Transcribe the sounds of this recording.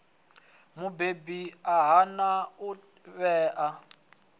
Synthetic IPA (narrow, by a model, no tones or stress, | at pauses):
mubebiaɦanau | βɛːʔa